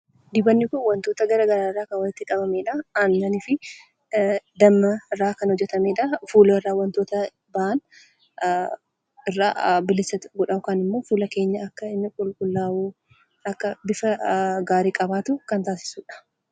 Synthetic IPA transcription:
d̪ɪbɐnːɪkʊnwɐnt̪o̞ːt̪ɐɡɐɾaːɡɐɾaːrːaːkɐnwɐɪt̪ːɪkʼɐbɐmeːᶑɐɐnːɐnɪfɪ | d̪ɐmːɐɪrːaːkɐnhɔd͡ʒːɛt̪ɐmeːᶑɐfuːloɪrːaːwɐnt̪o̞ːt̪ɐ | bɐʔɐn | ɪrːa̰ːbɪlɪsɐɡʊᶑɐʊkaːnɪmːo̞ːfuːlɐke̞ːɲːɐɐkːɐɪmːɪkʼʊlkʼʊlːaːwu | ɐkːɐbɪfɐɡaːɾiːkʼɐbaːt̪ʊkɐnt̪aːsɪ̥suːᶑɐ̥

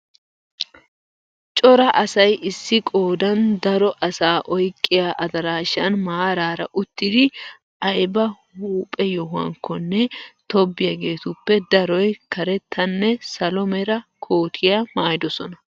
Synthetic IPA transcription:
t͡ʃʼɔɾɐʔɐsɐjʔɪsːɪkʼoːd̪ɐnd̪ɐɾɔʔɐsaːʔɔjkʼːɪjaːʔɐd̪ɐɾaːʃɐnmaːɾaːɾɐ̰ʔʊt̪ːɪd̪ɪ | ɐjbɐ | huːpʼɛjɔɦʊɐ̰ŋkʰːɔnːɛt̪ɔbːɪjɐɡe̞ːt̪ʊpːɛd̪ɐɾɔjkɐɾɛt̪ːɐnːɛsɐlɔmɛɾɐkʰo̞ːt̪ʰɪjamaːjɪd̪ɔsɔnɐ

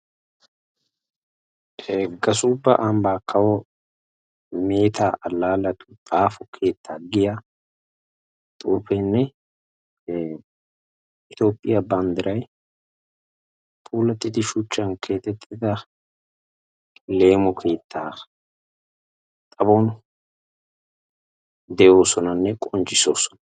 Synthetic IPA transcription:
ɡɐsʊbːɐ̰ʔɐmbaːkʰːɐwɔ | me̞ːt̪ʰaːʔɐlːaːlɐt̪ʊ̥t̪ʼaːfɔkʰe̞ːt̪ʰːaːɡɪja | t̪ʼuːfɛnːɛ | ʔɪt̪jo̞ːpʼːɪjɐbɐnd̪ɪɾɐj | pʼuːlɐt̪ʼːɪd̪ɪʃʊt͡ʃːɐnkʰe̞ːt̪ːɛt̪ʼːɪd̪ɐ | le̞ːmɔkʰe̞ːt̪ːaː | t̪ʼɐbɔn | d̪ɛjo̞ːsɔnɐnːɛkʼɔnt͡ʃʼːɪso̞̰ːsɔ̥nɐ̥

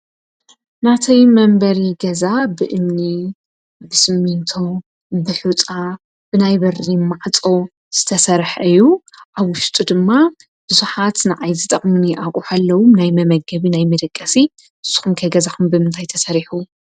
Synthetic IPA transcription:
nat̪ʰɐjmɐmbɐɾiɡɐzabɨʔɨmni | bɨsɨmːint̪ʰo | bɨħut͡sʼa | b̥ɨnajbɐɾimaʕt͡sʼo̞ | z̥ɨ̥t̪ʰɐsɐɾħʔɨjːuʔaβwʊʃt̪ʼud̪ɨmːa | b̥ɨzuħat̪nɨʕajzɨt̪ʼɐχʼmɨniʔakʼuħalːɐwumnajmɐmɐɡɐβinajmɐd̪ɐkʼːɐsi | ʔɨz̥ːu̥xumkʰɐɡɐzaxumbɨmɨnt̪ʰajt̪ʰɐsɐɾiħu

